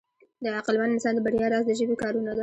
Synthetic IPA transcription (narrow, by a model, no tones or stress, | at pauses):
d̪əaqəlmanɪnsɑnd̪əbaɾjɑɾɑzd̪əʒəbekɑɾunad̪a